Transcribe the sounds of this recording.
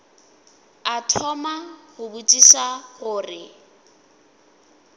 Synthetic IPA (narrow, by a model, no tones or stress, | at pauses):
atʰɔmaɣʊbutʼiʃaɣʊːrɪ